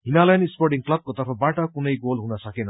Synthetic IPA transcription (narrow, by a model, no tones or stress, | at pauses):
ɦinalajnisporʈiŋklʌb̚kot̪ʌrpʰʌbaʈʌkunʌjɡolɦunʌsʌkenʌ